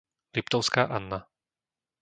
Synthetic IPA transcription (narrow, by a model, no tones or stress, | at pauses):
lipt̪ɔʊskaːʔanːa